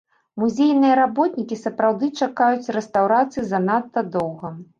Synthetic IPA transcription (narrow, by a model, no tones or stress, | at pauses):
muzʲejnɨjɐɾabɔt̪nʲikʲisɐpɾawd̪ɨt͡ʂakajut͡sʲrɛst̪awɾat̪sɨjizɐnat̪ːɐd̪ɔwɣɐ